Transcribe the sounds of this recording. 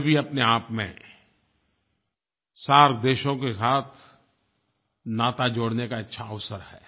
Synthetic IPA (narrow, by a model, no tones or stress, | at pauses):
bʱiɐpneaːpmḛ̃ | saːɾd̪eːʃõkesaːt̪ʰ | naːt̪ad͡ʒoːɽnekaɪtːʃʰaəʋsəɾhɛ̰ː